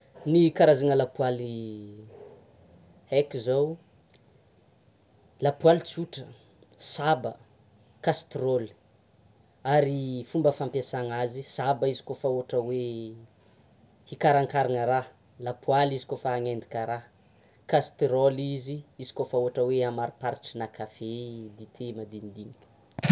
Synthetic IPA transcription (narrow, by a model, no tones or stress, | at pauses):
nikaɾazaŋəlapuali | hɛkizaw | lapualit͡suʈ͡ʂə | sabə | kast̪roli̥ | aɾifumbəfampjasaŋazisabəizi̥kofaoaʈ͡ʂəwe | hikaɾaŋkaɾanəɾa | lapwalizi̥kofaaŋend̪ikʲəɾa | kast̪ɾoliziizi̥kofaoaʈ͡ʂəweamaɾipaɾiʈ͡ʂinakʰafed̪it̪ʰemad̪inid̪inikʲu̥